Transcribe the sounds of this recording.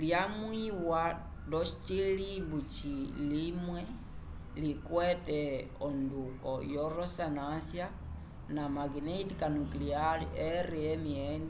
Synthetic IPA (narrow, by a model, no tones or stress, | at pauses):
ljamwiwa | dɔst͡ʃilibut͡ʃilimwɛ | likwɛtɛ | ɔndukɔ̰jɔɾɔsanasja | namaɡinɛitikanuklialḭʔɛɾiɛmiɛni